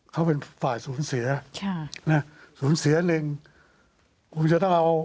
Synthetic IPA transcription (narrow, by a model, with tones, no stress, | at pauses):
kʰa˦˥wpe˧nfaː˨˩jsuː˩˦nsi˨˩˦ɐkʰa˥na˦˥suː˨˩˦nsi˨˩˦ɐ˦nɯ˧ŋ | kʰu˧nt͡ɕa˧t̪ɔ˥˩ŋʔa˧w